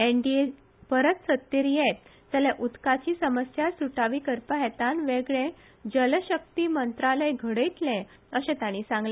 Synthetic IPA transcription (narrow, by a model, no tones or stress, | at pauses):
eɳɖie | pəɾət̪sət̪ːiɾjet̪̚ | d͡zəlẽʔut̪kat͡ɕiːsəməsjasuʈaʋiːkəɾpəɦɛt̪anʋeɡɭẽ | d͡ʑəlɕək̚t̪iːmənt̪ɾaləjɡʱəɽəjt̪lɛ̃ | əɕẽt̪aɽ̃iːsãŋɡle